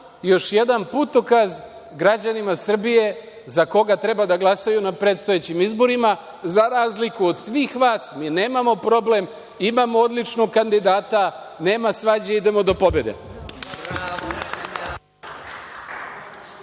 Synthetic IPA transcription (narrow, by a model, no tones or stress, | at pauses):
jo̞ʃje̞d̪anput̪okaz | ɡɾad͡ʑanimasr̩bije̞ | zako̞ɡat̪ɾe̞bad̪aɡlˠasajunapɾe̞ːt̪st̪ojet͡ɕimizbo̞ɾima | zaɾaːzlikuod̪sʋiːxʋaːsmine̞ːmamo̞pɾo̞ble̞m | imamood̪lit͡ʃnoɡkand̪id̪aːt̪a | ne̞ːmasʋad͡ʑeid̪e̞mo̞d̪o̞po̞be̞d̪ḛ